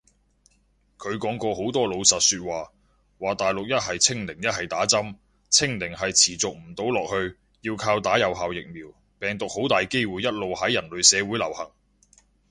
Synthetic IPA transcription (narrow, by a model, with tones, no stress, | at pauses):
kʰɵ˨˧ɥkɔː˨˥ŋkɔː˧ho˨˥wt̪ɔː˥lo˨˧wsɐ˨˩t̚syː˧t̚waː˨ | waː˨˩t̪aː˨jlʊ˨k̚jɐ˥t̚ɦɐ˨jt͡sʰɪ˥ŋlɪ˨˩ŋjɐ˥t̚hɐ˨jt̪aː˨˥t͡sɐ˥m | t͡sʰɪ˥ŋlɪ˨˩ŋɦɐ˨jt͡sʰiː˨˩t͡sʊ˨k̚m̩˨˩t̪o˨˥wlɔː˨k̚hɵ˧ɥ | jiː˧wkʰaː˧wt̪aː˨˥jɐ˨wɦaː˨wjɪ˨k̚miː˨˩w | pɛː˨ŋt̪ʊ˨k̚ho˨˥wt̪aː˨jke˥jwuː˨˧jɐ˥t̚lo˨whɐ˨˥jɐ˨˩nlɵ˨ɥsɛː˨˧wuː˨˥jlɐ˨˩whɐ˨˩ŋ